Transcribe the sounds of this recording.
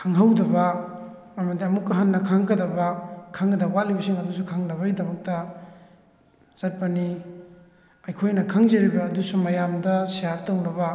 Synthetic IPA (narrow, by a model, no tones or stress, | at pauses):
kʰaŋɦawdɐbɐ | ɐmɐdiɐmukːɐɦanːɐkʰaŋkɐdɐbɐkʰaŋɡɐdɐbat̚libɐsiŋɐdusukʰaŋnɐβɐɡidɐmɐk̚tɐ | z̥ɐt̚pɐni | ɐjkʰojnɐkʰaŋzɐɾibɐːdusumɐjamdɐsijatɐwnɐbɐ